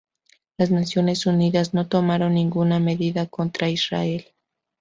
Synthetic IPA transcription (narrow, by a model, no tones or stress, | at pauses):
laznasjo̞ne̞suniðazno̞t̪o̞maɾo̞nːĩŋɡuname̞ðiðako̞nt̪ɾaisra̰e̞l